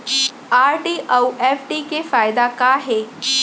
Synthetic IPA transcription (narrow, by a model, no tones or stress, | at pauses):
aːɾʈiːʔɐwʔefʈikefaːjd̪akaɦeː